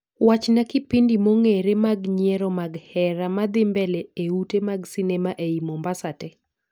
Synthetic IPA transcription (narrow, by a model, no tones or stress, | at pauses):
wat͡ʃnakɪpindimoŋeɾemaɡɲjɛɾɔmaɡhɛɾamad̪ɪmbɛlɛeutemaɡsɪnɛmaʔeimombasatɛ